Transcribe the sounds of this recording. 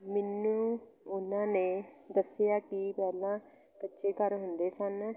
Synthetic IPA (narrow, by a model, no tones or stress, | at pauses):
mɪnːũː | ʊnãːneːd̪əsːɪjaːkɪpɛːlãː | kətːʃeːkəɾɦʊnd̪eːsən